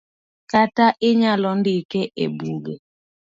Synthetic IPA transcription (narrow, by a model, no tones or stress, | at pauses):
kataʔɪɲalɔndikɛʔḛbuɡe